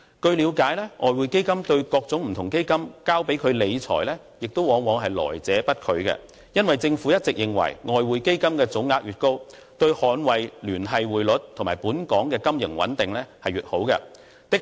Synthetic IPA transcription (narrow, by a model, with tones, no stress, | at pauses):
kɵ˧ɥliː˨˧wkaː˨˥jlɛː˥ŋʔɔː˨˧jwuː˨jke˥jkɐ˥mt̪ɵ˧ɥkɔː˧k̚t͡sʊ˨˥ŋm̩˨˩t̪ʰʊ˨˩ŋke˥jkɐ˥mkaː˥wpe˨˥jkʰɵ˨˧ɥle˨˧jt͡sʰɔ̰ː˨˩jlɛː˥ | jɪ˨k̚t̪o˥wɔː˨˥ŋwɔː˨˧˥ŋɦɐ˨jlɔ̰ː˨˩jt͡sɛː˨˥pɐ˥t̚kʰɵ˨˧ɥkɛ̰˧ | jɐ˥nwɐ˨jt͡sɪ˧ŋfu˨˥jɐ˥t̚t͡sɪ˨k̚jɪ˨˩ŋwɐ̰˨˩jŋɔː˨jwuː˨˧jke˥jkɐ˥mkɛː˧t͡sʊ˨˥wŋaː˧k̚ɥyː˨t̚ko˥w | t̪ɵ˧ɥhɔː˨˧˥nwɐ˨jlyː˨˩nɦɐ˨jwuː˨jlɵ˨˥t̚tt̪ʰʊ˨˩maː˨˩puː˨˥nkɔː˨˥ŋkɛː˧kɐ˥mjɪ˨˩ŋwɐ̰˨˥nt̪ɪ˨ŋlɛː˥hɐ˨jɥyː˨t̚ho˨˥wkɛ̰˧ | t̪ɪ˥k